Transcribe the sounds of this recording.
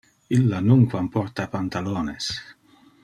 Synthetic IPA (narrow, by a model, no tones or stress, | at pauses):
ilːanuŋkwampɔrt̪apant̪aloːnes